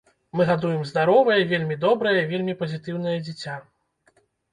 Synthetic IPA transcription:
mɨɣad̪ujɛmzd̪aɾɔvɐjɐvʲelʲmʲid̪ɔbɾɐjɐvʲelʲmʲipɐzʲit̪ɨwn̪ɐjɐd͡zʲit͡sʲa

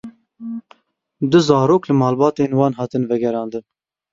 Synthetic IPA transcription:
d̪ʊzɑːɾoːklɨmɑːlbɑːt̪eːnwɑːnɦɑːt̪ɨnvɛɡɛɾɑːnd̪ɨn

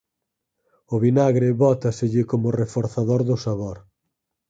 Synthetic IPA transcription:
ʊβinaɣɾɪβɔt̪ɐsɪʎɪkomʊrefoɾθaðoɾðʊsaβoɾ

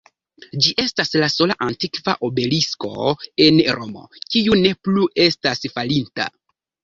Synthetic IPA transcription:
d͡ʒiʔe̞staslaso̞la̰ʔantikva̰ʔobe̞lisko̞̰e̞nɾo̞mo̞̰kiune̞pluʔe̞stasfalinta̰

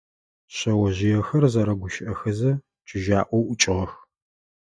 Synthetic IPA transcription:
ɕɐwɐʑɪjɛxɐrzɐɾɐɡʷʊʃɪʔɐxɐzɐ | t͡ʃʼɪʒaːʔʷɔwʔʊt͡ʃʼɪʁɐx

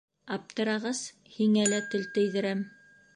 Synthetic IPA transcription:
ɑp̚t̪ɤ̆ɾɑʁɤz̥ | hiŋælæt̪ɘlt̪ɘ̆jðɘ̆ɾæm

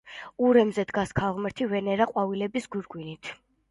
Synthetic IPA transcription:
uɾɛmzɛd̪ɡaskʰalˠʁmɛɾt̪ʰivɛnɛɾaqʼwavilɛbisɡuɾɡwinit̪ʰ

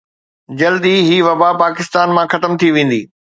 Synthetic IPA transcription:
d͡ʑɐld̪iɦiːʋɐbapaːkɪst̪aːnmãxɐt̪əmt̪ʰiʋẽːn̆d̪iː

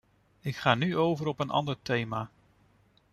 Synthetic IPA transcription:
ɪkχaːnyowvəɾɔpənʔɑ̰ndəɹtejmaː

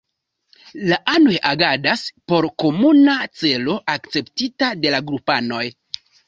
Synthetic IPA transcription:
laʔano̞jʔaɡadaspo̞ɾko̞munat͡se̞lo̞ʔakt͡se̞ptitade̞laɡɾupano̞j

